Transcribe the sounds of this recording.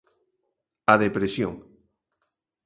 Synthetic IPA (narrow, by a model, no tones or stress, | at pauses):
aðepɾesjo̰ŋ